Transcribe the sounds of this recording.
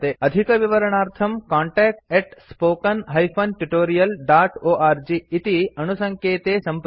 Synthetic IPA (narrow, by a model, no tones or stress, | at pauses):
t̪eɐd̪ʱikɐʋiʋɐɾəɳ̃aːɾt̪ʰɐmkãːɳʈɛːk̚ʈeʈspoːkɐnɦɐjpʰɐnʈuʈoːɾijɐlɖaːʈoːʔaːɾd͡ʒiːt̪iɐnusɐŋkʰeːt̪eːsɐmp